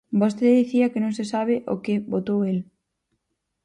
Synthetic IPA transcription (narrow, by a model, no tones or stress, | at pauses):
bost̪eðiθiɐkɪnõŋsesaβ̞ɪʔo̰kɪbot̪owel